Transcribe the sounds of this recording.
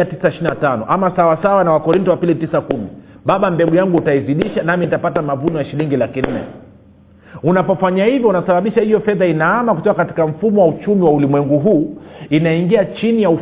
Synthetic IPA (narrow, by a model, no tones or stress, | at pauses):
atisaiʃininatanɔ̰ʔamasawasawanawakɔɾintɔwapilitisakumiɓaɓambɛɡujaŋɡuːtaiziɗiʃanaminitapatamavunɔjaʃiliŋɡilakin̩nɛ̰ | unapɔfaɲahivjɔunasaɓaɓiʃahijɔfɛðainaamakutɔkakati̥kam̩fumɔwaut͡ʃumiwaulimwɛŋɡuɦuːinaiŋɡiat͡ʃinijau